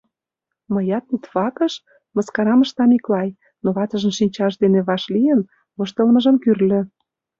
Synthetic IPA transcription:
mə̆jɑt̪̚nit̪βɑkə̆ʃ | mə̆skɑɾɑməʃt̪ɑmiklɑj | noβɑt̪ə̆ʒə̆mʃinʲt͡ɕɑʃd̪eneβɑʃlijə̆n | βɤʃt̪ə̆lmə̆ʒə̆mkyrlø̆

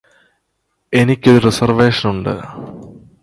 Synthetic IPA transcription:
e̞nikʲːo̞ɾurisɐrʋe̞ːʂɐnuɳɖɨ̰

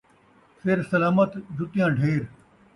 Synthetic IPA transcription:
sɪɾsɐlaːmət̪d͡ʒʊt̪ɪjãːɖʱeːɾ

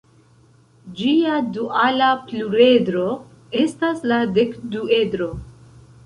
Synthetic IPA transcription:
d͡ʒiaduʔalapluɾe̞dɾo̞ | e̞staslade̞kdue̞dɾo̞

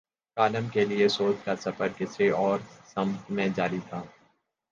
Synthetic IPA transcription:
kaːləmkeliesoːt͡ʃkasɐfəɾkɪsɾeʔɔːɾsɐ̃mt̪mẽd͡ʒaːɾit̪ʰaː

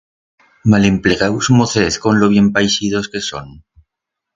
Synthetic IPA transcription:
male̞mpleɣawzmoθeθko̞nloβ̞je̞mpajsið̞oske̞so̰n

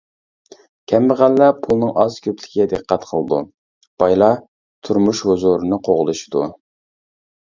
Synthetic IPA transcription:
kʲʰɛmbəʁælːɛpʰulˠnɨŋʔɑz̥kʲʰøplɪkʲʰid̪ɨqʰːɑt̪qʰəlˠɨd̪ṵ | b̥ɑjlˠɑ | t̪ʰuɾmuʃhuzuɾɨnɨqʰoʁlˠɨʃi̥d̪u

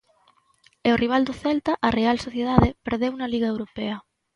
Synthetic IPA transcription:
eoriβ̞ald̪oθɛlt̪aʔarealsoθjeð̞aðepeɾðewunaliɣ̞aewɾopeɐ

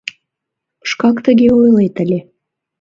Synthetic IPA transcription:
əʃkɑkt̪əɣeojlet̪əlʲe

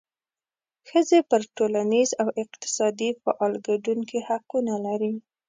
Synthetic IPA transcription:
xəzepəɾʈolanizawɪqt̪ɪ̥sɑd̪ifa̰ʔɑlɡaɖuŋkihaqunalaɾi

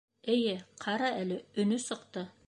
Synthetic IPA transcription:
ɘjɘqʰɑɾɑælɘɵ̆nɵsɤ̆qt̪ɤ

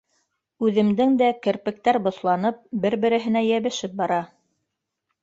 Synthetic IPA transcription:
ʉðɘ̆md̪ɘŋd̪ækɘ̆ɾpɘ̆k̚t̪æɾbŏθlˠɑnɤp̚bɘɾbɘ̆ɾɘ̆ɦɘ̆næjæβɘ̆ʃɘp̚bɑɾɑ

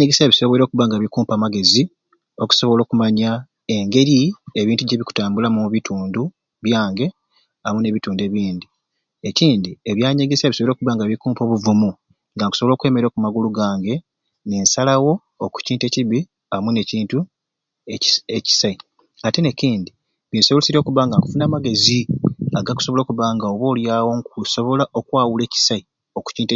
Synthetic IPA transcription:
ɲeɡeseβiso̞βeɾo̞ːkuβaŋɡaβikuːmpaːmaɡe̞zi | o̞ku̥so̞βolo̞ːkumaɲa | e̞ŋɡe̞ɾie̞βiːntuɟeβiku̥taːmbulamuβituːndu | βjaːŋɡe̞ | amune̞βituːnde̞βiːndi | e̞ciːndieβjaːɲeɡeseβiso̞βɾokuβaŋɡaβikuːmpo̞ːβuvumu | ŋɡaŋku̥soβo̞ːkwe̞ːme̞ɾo̞ːkumaɡuluɡaːŋɡe̞ | ne̞ːnsalawo̞ː | ku̥ciːnte̞ciβi | amune̞ciːntu | eci̥sai | ateneciːndi | βinsosiɾo̞ːkuβaŋɡaŋku̥funaːmaɡe̞ziaɡaku̥so̞βo̞lo̞ːkuβaŋɡaoβo̞ːljawo̞ŋkuso̞βo̞laʔo̞kwaːwule̞ːci̥sai | oku̥ciːnte

